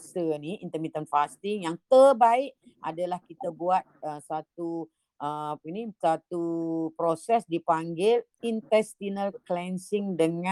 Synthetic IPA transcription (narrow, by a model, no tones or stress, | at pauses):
səniint̪əmit̪ənfast̪iŋjaŋt̪ərbaɪʔ | a̰dalahkit̪abuat̪̚əsat̪u | əapinisat̪upɾosɛsdipaŋɡɪl | int̪ɛst̪inalklɛnsɪŋdəŋã